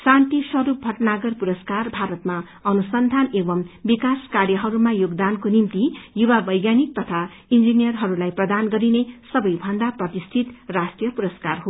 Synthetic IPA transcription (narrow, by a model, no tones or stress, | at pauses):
sãnt̪iswʌɾup̚bʱʌʈnaɡʌrpuɾʌskarbʱaɾʌt̪ma | ʌnusʌnd̪ʱanebʌmbikaskarjʌɦʌɾumajoɡd̪ankonimt̪ijuwabʌjɡjanik̚t̪ʌt̪ʰa | ind͡zinijʌrɦʌɾulajprʌd̪anɡʌɾinesʌbʌjbʱʌnd̪aprʌt̪ist̪ʰit̪rasʈrijʌpuɾʌskarɦo